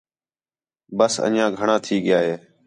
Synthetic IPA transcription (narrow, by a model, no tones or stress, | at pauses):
bəsə̰njãːɡʱəɳãːt̪ʰiːɠɪjaːɦeː